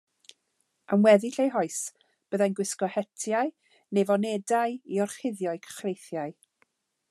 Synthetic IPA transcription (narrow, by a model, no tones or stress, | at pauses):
amwɛðɪɬejɦɔɨs | b̥əðajnɡwɪskɔhɛtʰjaɨ | nevɔnɛdajiɔrχɪðjɔɨkʰə̥χrejθjaɨ